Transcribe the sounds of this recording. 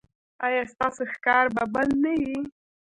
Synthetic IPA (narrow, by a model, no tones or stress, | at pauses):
ɑjɑst̪ɑsoxkɑɾbabalnawi